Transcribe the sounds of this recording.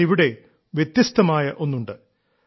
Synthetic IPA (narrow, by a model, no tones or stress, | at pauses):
iʋiɽe̞ | ʋje̞t̪jɐst̪ɐmaːjɐʔo̞nːuɳɖɨ